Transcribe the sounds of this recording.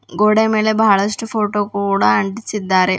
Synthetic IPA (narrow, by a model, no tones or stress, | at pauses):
ɡoːɽemeːlebʱaːɭɐsʈufoːʈːoːkuːɽɐɐɳɖit͡ɕːid̪ːaːɾe